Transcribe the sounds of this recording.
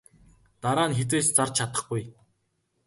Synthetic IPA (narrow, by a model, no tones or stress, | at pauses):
t̪aɾaːnxet̪̬eːst͡sart͡ɕʰat̪ə̆χɡuj